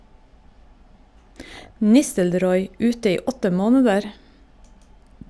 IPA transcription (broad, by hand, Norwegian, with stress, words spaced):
ˈnɪstəlɾɔʏ ˈʉːtə ˈiː ˈɔtə ˈmoːnədəɾ